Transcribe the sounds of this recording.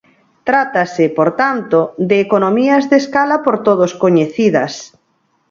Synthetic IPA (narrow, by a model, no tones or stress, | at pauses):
t̪ɾat̪asɪpoɾt̪ant̪od̪eːkonomiɐzðeskalapoɾt̪oð̞oskoɲeθiðɐs